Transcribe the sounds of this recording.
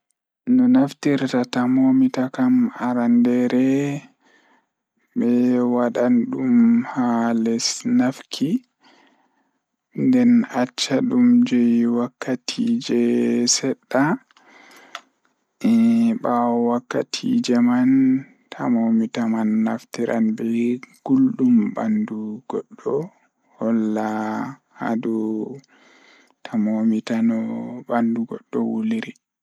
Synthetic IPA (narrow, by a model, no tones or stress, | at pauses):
nɔnaftiɾtatamomitakamaɾandɛɾɛ | ɓɛwaɗanɗumhalɛsnafkʰi | ndɛnat͡ʃːaɗumd͡ʒɛjwakːatʰid͡ʒɛsɛɗːa | ɛɓawakːatʰḭd͡ʒɛman | tʰamomitamanːaftiɾʔa̰nbɛɡ̥ulɗumbanduɡ̥ɔɗːɔ | hɔlːaha̰du | tʰamomitanɔbanduɡɔɗːɔ̰wuliɾi